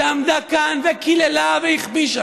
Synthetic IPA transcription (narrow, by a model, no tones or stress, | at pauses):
amd̪akanvekʰilelaveiχbiʃa